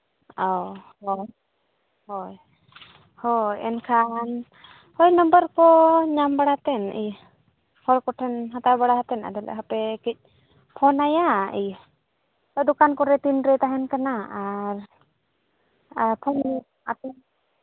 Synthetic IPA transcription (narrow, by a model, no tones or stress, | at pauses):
ɔhɔ | hɔj | hɔjɛ̰nkʰan | hɔjnɔmbəɾkɔɲambaɽat̪ɛnḭj | hʰɔɾkɔʈʰɛnɦat̪aɾbaɽaɦat̪ɛna̰d̪ɛlɛ̰ʔɦapɛkic̚ˀ | pʰɔnajaḭj | t̪ɔd̪ukankɔɾɛt̪inɾɛt̪aɦɛnkanaaɾ | apʰɔn | a̰t̪ɛn